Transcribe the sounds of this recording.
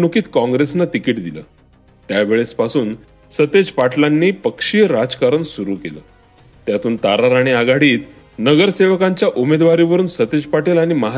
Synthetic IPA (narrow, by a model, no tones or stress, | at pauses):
nukiːt̪kɔ̃ŋɡɾesnat̪ikiːʈd̪ilə̰ː | t̪jaʋeɭespasuːn | sət̪ed͡zpaʈʰlanːiːpəkʂiːɾad͡zkaɾənsuɾuːkelə̰ː | t̪jat̪uːnt̪aɾaɾaɽ̃iaɡaɽiːt̪ | nəɡəɾseʋəkaɲt͡ɕjaʔumed̪ʋaɾiʋəɾuːnsət̪ed͡ʑpaʈelaɽ̃iməɦ